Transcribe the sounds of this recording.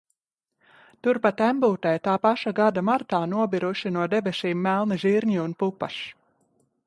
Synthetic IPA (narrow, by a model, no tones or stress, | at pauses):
t̪uɾpat̪æmbuːt̪ɛjt̪aːpaʃaɡad̪amaɾt̪aːnuɔbiɾuʃinuɔd̪ɛbɛʃiːmːælˠniʒiɾɲiunpupa̰ʃ